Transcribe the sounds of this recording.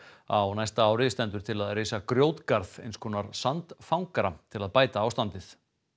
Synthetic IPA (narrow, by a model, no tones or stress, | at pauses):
a̰wnajst̪aaːwɾɪst̪ɛnt̪ʏɾ̥t̪ʰɪlaðreːjsakɾjoːwt̪kaɾθḛjnskʰɔːnaɾ̥sant̪fawŋkaɾat̪ʰɪlaðpaːjt̪aawst̪ant̪ɪθ